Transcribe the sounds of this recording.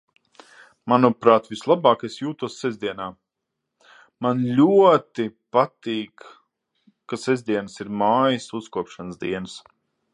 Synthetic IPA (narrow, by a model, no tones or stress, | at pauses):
manupɾaːt̪vislˠabaːkesjuːt̪uɔsːɛzd̪iɛnaː | manlʲuɔt̪ipat̪iːkː | asezd̪iɛnɨsiɾmaːjisuskuɔpʃanəsd̪ḭɛnɨs